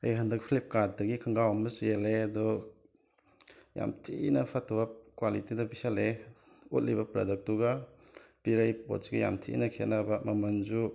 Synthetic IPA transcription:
ɐjɦɐndɐk̚pʰlip̚kat̚dɐɡikʰɐŋɡawɐmɐsujeleɐdɔ | ja̰mtʰinɐpʰatʰːɔbɐkwalitidɐpisale | ut̚libɐpɾa̰dɐk̚tuɡɐpiɾajpo̰t̚sɡija̰mtʰḭnɐkʰet̚nabɐmɐmɐnd͡ʒu

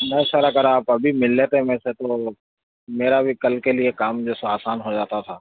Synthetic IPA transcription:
nɛ̃ʃaːɾakɐɾaːpɐbʱimɪlːeːt̪eɦmẽːset̪oː | meːɾabʱikɐlkeliekaːmd͡ʒoːsoaːsaːnɦod͡ʒaːt̪at̪ʰaː

